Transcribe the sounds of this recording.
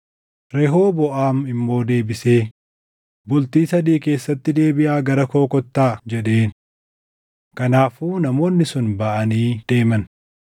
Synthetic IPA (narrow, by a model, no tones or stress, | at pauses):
ɾɛɦo̞ːbɔʔaːmɪmːo̞ːd̪e̞ːbɪse̞ː | bʊlt̪iːsɐd̪iːke̞ːsːɐt̪ːɪd̪e̞ːbɪʔaːɡɐɾɐko̞ːkɔt̪ːaːd͡ʒɛᶑe̞ːn | kɐnaːfuːnɐmo̞ːnːɪsʊnbɐʔɐniːd̪̥e̞ːmɐn